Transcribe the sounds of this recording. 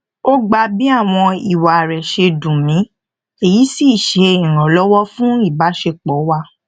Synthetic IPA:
o˦ɡ͡ba˧bi˦a˦˨w̃ɔ̃˧i˨wa˨ɾɛ˨ʃe˧dũ˨mĩ˨˦ | e˨ji˨˦si˦˨ʃe˨˧ĩ˨ɾ̃ã˨lɔ˦wɔ˦fũ˦i˦˨ba˨˦ʃe˧k͡pɔ˨˦wa˧

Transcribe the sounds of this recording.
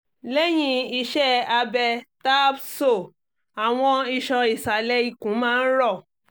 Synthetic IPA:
lɛ˦j̃ĩ˧i˧ʃɛ˦a˧bɛ˧ta˦bso˦˨ | a˨w̃ɔ̃˧i˧ʃɔ̃˧i˨sa˨lɛ˧˦i˦˧˨kũ˨˦mãː˦˧n̩˦ɾɔ˦˨

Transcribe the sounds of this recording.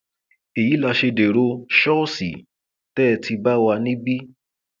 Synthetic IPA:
e˨ji˨˦la˧ʃe˧de˨ɾo˧ʃɔ˦si˨ | tɛ˦˧tʰi˧ba˦wa˧nĩ˦bi˦

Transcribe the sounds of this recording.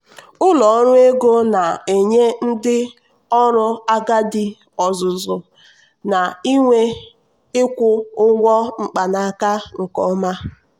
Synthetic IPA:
ʊ˦lɔ˨˦ɾʊ˦e˦ɡo˦na˨e˨ɲe˦n̩˦dɪ˦ | ɔ˦ɾʊ˦a˦ɡa˦dɪ˦ | ɔ˨zʊ˨zʊ˨ | na˨i˦ŋʷe˦ | ɪ˦kʷʊ˦ʊ˦ŋʷɔ˦ŋ͡m̩˨k͡pa˨na˨a˦˨ka˦ŋ̩˨kɔ˦ma˦

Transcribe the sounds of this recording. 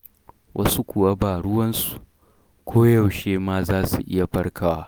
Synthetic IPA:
wʔɐ˦su˦kʷʊ˨wa˦baː˨ɽʊ˦wɐ˦nsu̥˨ | kʷʰoː˦jɐ˨wʃeː˦maː˦zaː˦sṵ˨ʔɪ̰˦ja˨ɸɐ˦rkʰaː˦waː˦

